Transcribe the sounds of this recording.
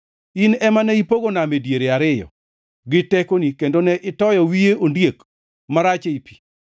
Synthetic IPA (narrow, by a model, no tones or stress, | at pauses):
inɛmanɛipoɡonamedjeɾeaɾɪjɔ̰ | ɡɪtɛkonikendonɛʔɪtɔjɔwijeondjek | maɾat͡ʃeipi̥